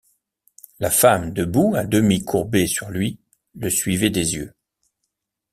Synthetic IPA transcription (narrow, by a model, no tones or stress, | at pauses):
lafamd̪əbuad̪əmikʰuʁbesyʁlɥi | ləsɥivɛd̪ezjø